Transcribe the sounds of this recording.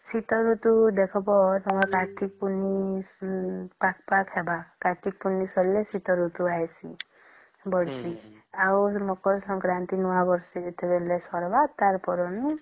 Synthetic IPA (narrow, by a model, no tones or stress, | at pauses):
sit̪ɔɾut̪ud̪ekʰɔpɔt̪ɔmakaʈʰik̚puni | pakʰpakʰebakaʈʰik̚punisɔllesit̪ɔɾut̪uajsʰi | bɔɽt͡ʃʰi | awmɔkɔɾsɔ̃ŋkɾant̪inɔwabɔɾseːt̪ʰebelesɔɾbat̪aɾpɔɾɔnu